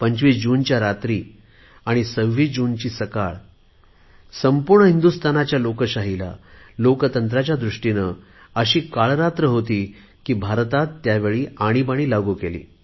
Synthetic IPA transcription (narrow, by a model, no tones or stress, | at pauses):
pəɲt͡ɕʋiːsd͡ʑuːnt͡ɕjaɾat̪ɾiː | aɽ̃isəɡʋiːd͡ʑuːnt͡ɕiːsəkaɭ | səmpuɾɳəɦind̪ust̪ʰanat͡ɕjalokəɕaɦila̰ | lokət̪ənt̪ɾat͡ɕjad̪ɾuʂʈinə | əɕiːkaɭɾat̪ɾəɦot̪iː | kiːbʱaɾt̪at̪ːjaʋeɭiːaɽ̃ipaɽ̃iːlaɡuːkelḭː